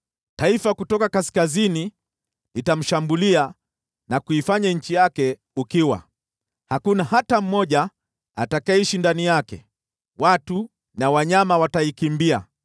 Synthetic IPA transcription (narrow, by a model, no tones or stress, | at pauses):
taifakutɔkakaskazini | itam̩ʃambulia | nakuifaɲaɲ̩t͡ʃijakɛ | ukiwa̰ | hakunahatam̩mɔʄa | atakaɛiʃindanijakɛ̰ | watu | nawaɲamawataikimbia̰